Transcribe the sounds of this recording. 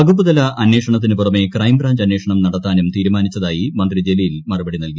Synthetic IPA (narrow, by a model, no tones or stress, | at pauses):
ɐɡup̬ːuðɐlɐɐnːe̞ːʂɐɳɐt̪̬ːinɨpurɐme̞krɐjmbɾaːɲd͡ʑɐnːeːʂɐɳɐmnɐɽɐt̪ːaːnumt̪iːɾumaːnit͡ɕːɐðaːjimɐnd̪rid͡ʑe̞lijilmɐrubɐɽinɐlku